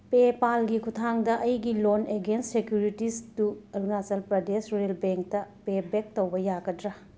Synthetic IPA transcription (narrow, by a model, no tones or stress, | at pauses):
pepalɡikʰutʰaŋdɐʔɐjɡiloneɡenssekjuɾitistuɐlunasɐlpɾɐdesɾelbeŋk̚tɐpebek̚towbɐjaɡɐdɾɐ